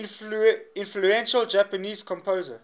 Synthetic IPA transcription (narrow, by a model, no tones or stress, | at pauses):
ɪ̃nfluɛ̃nʃəld͡ʒapəniːzkʰɔ̃mpʰoːzə